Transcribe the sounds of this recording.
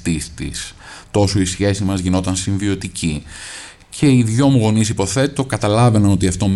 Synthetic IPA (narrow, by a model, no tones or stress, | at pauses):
t̪ist̪ḭst̪o̞so̞isçe̞sizmɐzʝino̞t̪ɐnsiɱvio̞t̪ici | cʰe̞iðʝo̞muɣo̞nisipo̞θe̞t̪o̞kɐt̪ɐlɐve̞nɐno̞t̪iɐft̪o̞m